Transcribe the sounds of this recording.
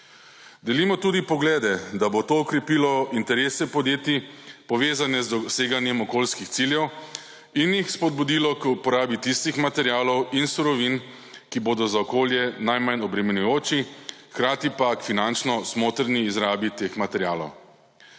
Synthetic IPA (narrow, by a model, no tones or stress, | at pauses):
d̪ɛlimɔt̪ud̪ipɔɡlɛːd̪ɛd̪abot̪oːɔkɾɛpiːlɔint̪ɛɾeːsɛpɔd̪jeːt̪ipɔʋeːzanɛzd̪ɔseːɡanjɛmɔkoːlskixt̪siljɛw | injixspɔd̪̚bud̪iːlɔkupɔɾaːbit̪ist̪ixmat̪ɛɾjaːlɔwinsuɾɔʋin | kiboːd̪ɔzaɔkoːljɛnajmanɔbɾɛmɛnujoːt͡ʃixkɾaːt̪ipakfinant͡ʃnɔsmoːt̪ɾniːzɾaːbit̪eːxmat̪ɛɾjaːlɔ̰w